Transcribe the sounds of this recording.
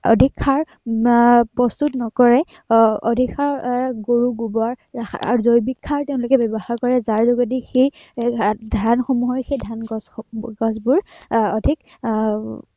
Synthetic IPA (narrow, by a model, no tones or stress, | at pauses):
ɔ̰dʱikʰːaɹ | pɹɔstutnɔkɔɹɛ | o̰dʱikʰːaɹɡoɹuɡubɔaɹa̰ɹuzojbikʰːaɹtɛʊ̃lʊkɛbɛbɔhaɹkɔɹɛzaɹzɔɡadixej | dʱanxɔmuɦɔjxejdʱanɡɔɡɔzbʊɹodʱik